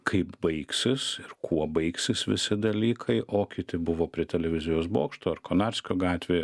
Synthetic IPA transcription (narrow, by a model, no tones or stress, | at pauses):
kʰɐɪpbɐɪksʲɪsɪrkʰuɔbɐɪksʲɪsʋʲɪ̰sʲɪd̪ɐlʲiːkʰɐɪʔoːkʲɪt̪ʲɪbʊʋoːpʲɾʲɪt̪ʲɛlʲɛʋʲɪzʲɪjoːsbo̰ːkʃt̪oːɐrkoːnɑɾʲsʲkʲoːɡɑːt̪ʲʋʲeː